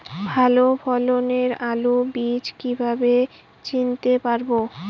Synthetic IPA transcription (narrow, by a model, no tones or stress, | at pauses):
bʱalobʰʱɔloneɾalubid͡ʑkibʱabe | t͡ɕint̪epaɾbo